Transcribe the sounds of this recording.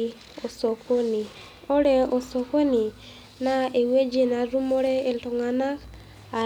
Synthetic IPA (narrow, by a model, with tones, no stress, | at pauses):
o˨so˨ko˦ni˨ | o˦ɾɛ˦o˨so˨ko˦ni˨ | na˦e˨we˦d͡ʒe˦na˨ɾu˦mo˦ɾɛ˦e˨lto˨ŋa˨na˦k | a˨